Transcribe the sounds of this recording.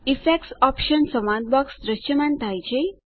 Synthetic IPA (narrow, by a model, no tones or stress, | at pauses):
ifɛksɔpɕənsəmãd̪̚bɔksd̪ɾəɕəmãnt̪ajt͡ɕe